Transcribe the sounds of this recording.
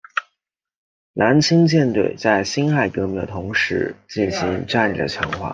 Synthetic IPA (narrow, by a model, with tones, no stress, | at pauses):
nʔa˧˥nt͡ɕʰi˥ŋt͡ɕjɛ˥˧nt̪wḛ˥˩ɪt͡sa˥˩ɪɕi˥nxa˥˩ɪkɤ˧˥mi˥˩d̪ə̰˩t̪ʰʊ˧˥ŋʂɻ̩˧˥t͡ɕi˥˩nɕi˧˥ŋʈ͡ʂa˥˧nḭ˥˩d̪ə̰˨˩t͡ɕʰjɑ̰˧˥ŋxwa̰˥˩